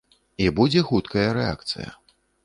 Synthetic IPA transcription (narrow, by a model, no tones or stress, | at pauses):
ibud͡zʲɛxut̪kɐjɐɾɛa̰kt̪sɨ̰jɐ̰